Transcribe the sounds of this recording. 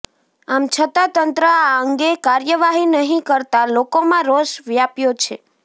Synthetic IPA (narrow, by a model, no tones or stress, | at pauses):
amt͡ʃʰət̪at̪ənt̪ɾəaəŋɡekaɾjəʋaɦinəɦĩkəɾt̪alokomãɾoʃʋjapjot͡ʃʰe